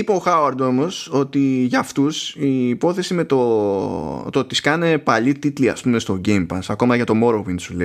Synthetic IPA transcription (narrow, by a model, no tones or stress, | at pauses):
ipeoxɐuɐɾd̪o̞mo̞so̞t̪iʝɐft̪usiːpo̞θesime̞t̪o | t̪ot̪iskɐne̞pɐʎit̪it̪liɐ̰spume̞st̪o̞ɟe̞jmpɐsɐko̞mɐʝɐt̪o̞mo̞ɾovinsule